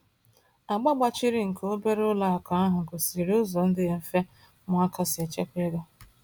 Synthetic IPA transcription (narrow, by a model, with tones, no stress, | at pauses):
a˨ɡ͡ba˦ɡ͡ba˦t͡ʃi˦ɾi˦ŋ̩˨kʰo˦be˦ɾʊ˦la˦a˨ka˨a˦ɦʊ˨ko˨si˨ɾi˨ʊ˦zɔ˨n̩˦dɪ˦e˨m̩˦fe˦ | mʊ˨˦a˦kʰa˦sɪ˨e˨t͡ʃe˦kʷe˦ɡa˦